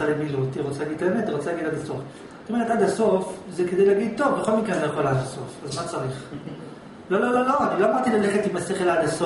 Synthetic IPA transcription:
alemiluttiʁot͡salaɡid̪̚t̪aemetat̪iʁot͡salaɡid̪ad̪aso̞f | t̪imeatdad̪aso̞fzeked̪ejleaɡid̪̚t̪o̞vbeχo̞lmikenzejaχolazaso̞fazmat͡saʁiχ | lo̞lo̞lo̞lo̞anilo̞amaʁdt̪ilaleχet̪imaseχelad̪aso

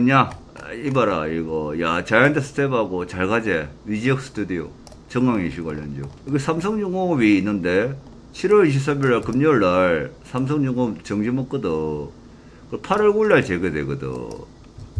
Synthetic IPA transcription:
ɲa | ibaɾa̰iɡʌjat͡ɕajantʰesʰɯ̥tʰebaɡot͡ɕaɭɡad͡ʑewid͡ʑiʌks͈ɯ̥tʰudio̰ | t͡ɕʌŋɡaŋiɕʰiɡa̰ɭjʌnd͡ʑo̰iɡesʰamsʰʌŋd͡ʑuŋobiːnːɯnde̞ | t͡ɕʰiɾwʌɭiɕ̬ʰip̚s̬͈ʰabiɭːaɭkɯmɲuɭːaɭsʰams̬ʰʌŋd͡ʑuŋot͡ɕʌŋd͡ʑimok͈ɯdɯ | kɯpʰaɾʌɭɡuɭːaɭt͡ɕeɡedeɡɯdɯ̰

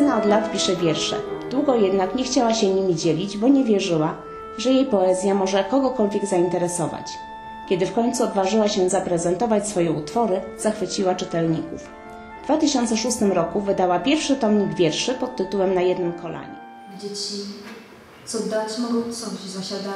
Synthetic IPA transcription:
ɛnaɔd̪lat̪pʲiʂɛvʲjɛɾʂɛ̰d̪̥wuɡɔjɛd̪nakɲɛxt͡ɕawaɕɛɲimʲid͡ʑelʲid͡ʑbɔɲɛvʲjɛʐɘwa | ʐɛjejpɔɛzʲjamɔʐɛkɔɡɔkɔlvʲjɛɡzaint̪ɛɾɛsɔva̰t͡ɕ | kʲɛd̪ɘfkɔɲt̪suɔd̪vaʐɘwaɕɛzapɾɛzɛnt̪ɔvat͡ɕsfɔjɛut̪fɔɾɘz̥axfɘt͡ɕiwat͡ʂɘt̪ɛlɲikṵf | vd̪vat̪ɘɕɔnt̪sɛʂust̪ɘmɾɔkuvɘd̪awapʲjɛɾfʂɘt̪ɔmɲiɡvʲjɛɾʂɘpɔt̪ːɘt̪uwɛmnajɛd̪nɘmkʰɔlʔa̰ɲɛ̰ | vʲd͡ʑɛt͡ɕi | t̪sɔd̪at͡ɕmɔɡɔsɔt͡ɕizaɕad̪a

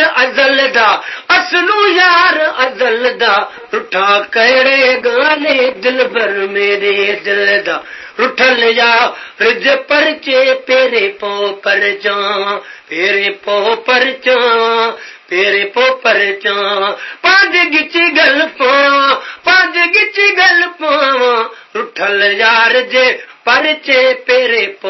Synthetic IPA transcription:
ɐzəld̪aːɐslũːjaːɾɐd̪əld̪aː | ɾʊʈʰaːkɐɦɽeːɡãːleːd̪ɪlbʱɐɾmẽːɾeːd̪ɪld̪aː | ɾʊʈʰəljaːɾɪd͡ʒepɐɾt͡ʃeːpeːɾepoːpɐɾt͡ʃãːpeːɾeːpoːpəɾt͡ʃãːʋãːpeːɾepoːpəɾt͡ʃãːãːpãːd͡ʒeɡɪt͡ʃiɡɐlpãːʋãːpãːd͡ʒeɡɪt͡ʃiɡɐlpãːʋãː | ɾʊʈʰəljaːɾɪd͡ʒepɐɾt͡ʃeːpeːɾepo

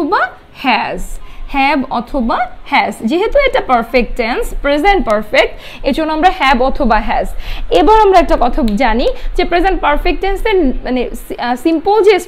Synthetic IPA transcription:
oba | hɛzhɛbɔ̰t̪ʰobahɛzd͡ʑeɦet̪uɛkʈapaɾfek̚ʈʈenspɾezeɳʈ̚paɾfek̚ʈ | ed͡ʑonːoamɾahɛbɔt̪ʰobaɦɛzebaɾamɾaɛk̚ʈakɔt̪ʰad͡ʑanid͡ʑepɾezenʈ̚paɾfek̚ʈenseɾmanessimpold͡ʑes

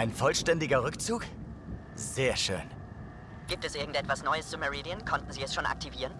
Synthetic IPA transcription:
ʔaɪnfɔlʃtɛndɪɡɐʁʏkt͡suːk | z̥eːɐʃø̰ːn | ɡ̥iːp̚tɛsʔɪɐɡŋ̩tɛtv̥asnɔʏəszuməʁiːdiənkʰɔntn̩ziːɛsʃoːnʔa̰k̚tʰiviːʁən

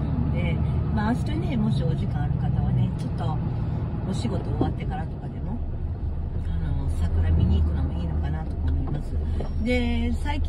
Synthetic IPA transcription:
d̪e̞maːɕi̥t̪one̞mo̞ɕio̞ʑikãɰ̃aɾɯ̟kat̪aβ̞ane̞t͡ɕo̞t̪ːo̞ː | ɕiɡo̞t̪o̞ːβat̪ːe̞kaɾat̪okad̪e̞mo̞ | ano̞sakɯ̟ɾamʲiɲ̟iːkɯ̟nomoiːno̞kanat̪o̞̥kamoimasɨd̪e̞saikʲ

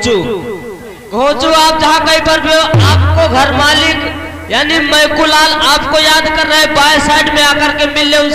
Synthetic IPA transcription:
t͡ʃu | ɡʱõːt͡ʃuaːp̚d͡ʒɦakəipəɾbʱjoʔaːp̚koɡʱəɾmaːlik | jaːniməjkulaːlaːpkojad̪kəɾːəɦebajsaɪɖmẽakəɾkemilːeũ

